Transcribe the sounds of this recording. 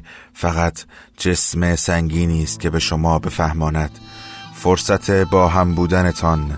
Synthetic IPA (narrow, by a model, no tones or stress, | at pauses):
fæɣæt̪ʰ | d͡ʒe̞smesæŋɟiːniːst̪̚cʰe̞be̞ʃomɒːbe̞fæhmɒːnæd̪̥foɾsæt̪ʰe̞bɒːɦæmbuːd̪æne̞t̪ʰɒn